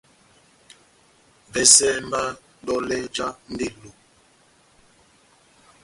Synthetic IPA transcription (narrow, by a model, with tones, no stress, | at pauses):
bɛ˦sɛ˦m˦ba˦ | dɔ˦lɛ˦d͡ʒa˦n̩˦de˦lo˨